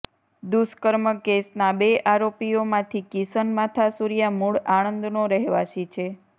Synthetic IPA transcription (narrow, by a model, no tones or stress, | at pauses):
d̪uskəɾməkesnabeʔaɾopijomãt̪ʰikisənmat̪ʰasuɾijamuɭaɽ̃ə̃nd̪ʱnoɾəɦʋaʃit͡ʃʰe